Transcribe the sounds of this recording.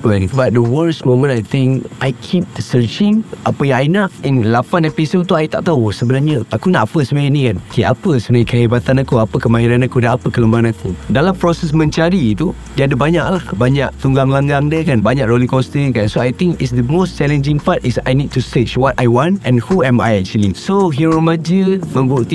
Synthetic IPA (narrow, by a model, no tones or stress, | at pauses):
wɛnbat̚dəwəɹsmõmə̃najt̪ɪ̃ŋkʔajkʰip̚dəsət͡ʃɪ̃ŋʔapəjãŋajnaʔĩnlapanɛpisolt̪uajt̪a̰ʔt̪ausəbənaɾɲəʔakunaʔpəsəmãinĩkankʰeapəsənãkʰaibat̪anakuapəkəmaiɾanakudaapəkələmbaŋanakudalampɾɔsɛsmə̃nt͡ʃaɾiːt̪u | diadəbaɲaʔlahbaɲaʔt̪uŋɡaŋlaŋɡaŋdəkanbaɲaʔɾolikɔst̪ənkansoajt̪ĩŋkisd̪əmost͡ʃɛlə̃nd͡ʒĩŋpatisajnid̚tusət͡ʃwɔtajwɔ̃nʔɛ̃nhuɛ̃ma̰jɛk̚t͡ʃulĩŋsoɦuɾomad͡ʒəmə̃mbuʔt̪i